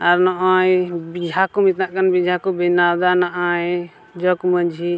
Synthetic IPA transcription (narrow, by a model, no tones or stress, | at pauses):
aɾnɔʔajbid͡ʒʱakumit̪naʔkanbid͡ʒʱakɔbinawd̪anaʔaj | d͡ʒɔkməd͡ʒʱi